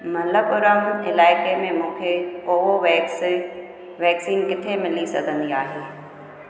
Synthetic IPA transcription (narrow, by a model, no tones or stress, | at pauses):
mɐləpʊɾəmɪlaːɪkemẽmũːkʰekoːɦoʋ | ʋɛːksiːnkɪt̪ʰemɪlisɐɡʱə̃nd̪iaːɦeː